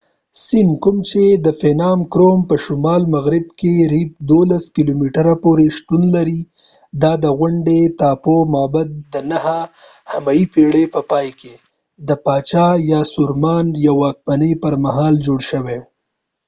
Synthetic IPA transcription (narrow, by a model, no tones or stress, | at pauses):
sɪmkʊmt͡ʃed̪əfenɑmkɾompəʃʊmɑlmaɣɾɪb̚keɾip̚d̪olaskilomiʈəɾapoɾeʃt̪unlaɾi | d̪ɑd̪əɣʊɳɖet̪ɑpomɑbad̪̚d̪ənaha | hamajipiɽepəpɑjke | d̪əpɑt͡ʃɑjɑsʊɾmɑnjawɑk̚manəjpəɾmaɦɑld͡ʒoɽʃəwe